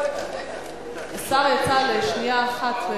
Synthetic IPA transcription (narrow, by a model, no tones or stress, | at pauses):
esaʁjat͡saleʃniaːχat̪ve